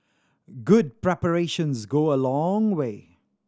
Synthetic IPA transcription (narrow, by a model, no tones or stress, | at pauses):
ɡʊd̚pɹɛpəɹeːʃə̃nzɡoːəlɔ̃ŋweː